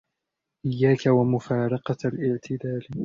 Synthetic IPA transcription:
ʔɪjːaːkawamʊfaːɾˤɑqɑlʔɪʕt̪ʰɪd̪aːl

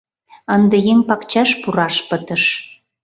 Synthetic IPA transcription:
ənd̪əjeŋpɑkt͡ɕɑʃpuɾɑʃpət̪əʃ

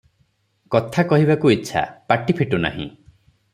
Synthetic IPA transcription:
kɔt̪ʰakɔɦiβakuitːʃʰa̰paʈipʰiʈuna̰ɦḭ̃

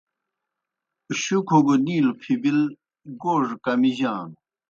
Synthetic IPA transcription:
ɕukʰoɡoniːlopʰibil | ɡoʐkamiʑan

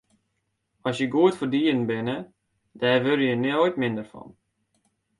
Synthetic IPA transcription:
ɔsjəɡuətfərdiən̩bɪnə | dɛːrʋørəjənɛojtmɪndərfɔ̰n

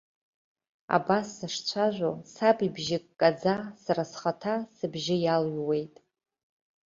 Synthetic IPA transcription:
a̰basːaʂt͡ɕʷʰaʒʷosabibʒɪkʼːad͡zasarasχatʰasɨbʒɪjalɥwe̞jtʼ

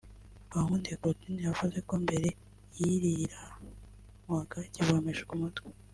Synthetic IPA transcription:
βahundekotinijavuze̞ko̞mbe̞ɾe̞ | jiɾiɾa | muakaciβomeʒekumutɡe̥

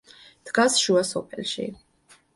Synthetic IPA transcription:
d̪̥ɡasʃuasɔpʰɛ̰lʃḭ

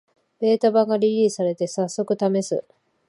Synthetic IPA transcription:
b̥e̞ːt̪abaɡaɾʲiɾʲiːsaɾe̞t̪e̞sasːo̞kɯ̟t̪ame̞sɨ̰

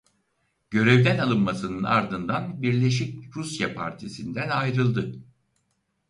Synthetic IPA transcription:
ɟ̥ø̞ɾɛvd̪ænalˠɯnmasɯnɯna̰ɾd̪ɯnd̪anbiɾlʲe̞ʃ̬ic̚ɾusjapʰa̰ɾt̪ʰisind̪ænajɾɯlˠd̪ɯ

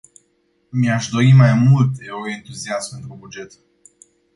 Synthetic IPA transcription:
miaʃd̪oimajmult̪oent̪uziaspent̪ɾubud͡ʒe̞t̪

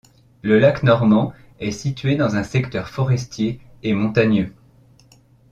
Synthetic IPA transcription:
ləlaknɔʁmɑ̃ | ɛsit̪ɥed̪ɑ̃zɛ̃sɛkt̪œʁfɔʁɛst̪jeː | mɔ̃t̪aɲjø

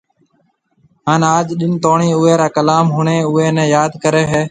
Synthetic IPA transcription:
ɦaːnaːd͡ʒɗɪnt̪oːɳiːʊeːɾaːkəlaːmɦʊɳeːʊeːnɛ̃ːjaːd̪kəɾeːɦeː

